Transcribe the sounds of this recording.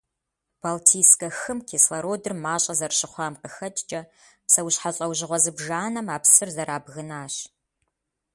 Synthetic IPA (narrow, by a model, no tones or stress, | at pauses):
b̥altʰiːskʼɐxɨmkʰeːslɐɾoːdɨrmaːɕʼɐzɐrɕɪχʷɑːmqəxɐtʼt͡ʃʼɐ | psɐwɕħaɕʼɐwʑɪʁʷɔzɨbʒaːnɐmaːpsɨrzɐɾaːbɣɨnaːɕ